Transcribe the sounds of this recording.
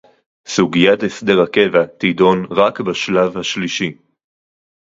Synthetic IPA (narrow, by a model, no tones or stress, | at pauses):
suɡijatesdeʁake̞vat̪ido̞nʁakbaʃlavhaʃliʃi